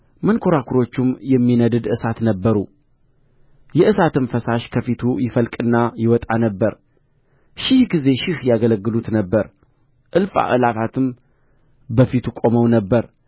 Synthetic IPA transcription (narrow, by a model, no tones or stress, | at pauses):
mənkʰo̞ɾakʰuɾo̞t͡ʃːumjɛmːinəd̪ɨd̪ɨsat̪nəbːəɾu | jɛʔɨsat̪ɨmfəsaʃkʰəfit̪ʰujɪfəlkʼɨnːajɪwɔt̪ʼanəbːəɾ | ʃɪhɡize̞ʃɪhjaɡələɡːɨlut̪nəbːəɾ | ʔɨlfa̰ʔɨlafat̪ʰɨm | bəfit̪ʰukʷʼo̞məwnəbːəɾ